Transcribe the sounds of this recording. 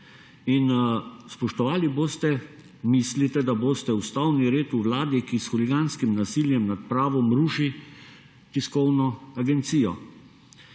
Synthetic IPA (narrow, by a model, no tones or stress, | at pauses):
inspɔʃt̪ɔʋaːliboːst̪ɛ | mislit̪ɛd̪aboːst̪ɛust̪awniɾeːt̪uwlaːd̪ikisxuliɡanskimnasiljɛmnat̪pɾaːʋɔmɾuːʃi | t̪iskɔwnɔaɡɛnt̪siːjɔ